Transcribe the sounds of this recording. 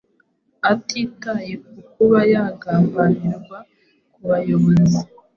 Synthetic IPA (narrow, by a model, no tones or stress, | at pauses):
atʰikajek̚ukuβajaːɡaːmbaniɾɡwa | kuβajoβozi